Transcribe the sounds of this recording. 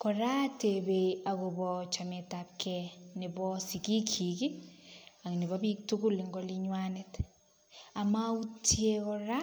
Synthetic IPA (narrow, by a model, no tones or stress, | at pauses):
kɔɾatebeakobɔt͡ʃametap̚kʰɛnibɔsikikʰiki | aŋniβɔbik̚tukuliŋɡɔliɲwanɪt | amautjekɔɾa